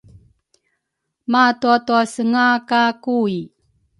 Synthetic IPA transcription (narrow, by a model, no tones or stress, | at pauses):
matuatuasəŋakakui